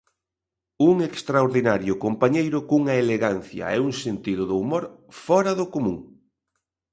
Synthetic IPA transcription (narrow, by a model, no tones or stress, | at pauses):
uŋekst̪ɾaoɾðinaɾjʊkompaɲejɾʊkuŋɐeleɣan̟θjɐ̰ɛuŋsent̪iðʊðʊumoɾfɔɾɐðʊkomũŋ